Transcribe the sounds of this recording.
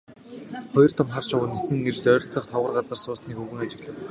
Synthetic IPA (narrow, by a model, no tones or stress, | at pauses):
χɔjɞ̆r̥t̪ʰʊmχarʃʊwʊːnesɘ̆ŋert͡ɕt͡sœːɾʲɞ̆ɬt͡sɞ̆χt̪ʰɔʁə̆rɢat͡sə̆rsʊːsniːxɵɣɘ̆ŋat͡ɕɪ̆ɣɮə̆w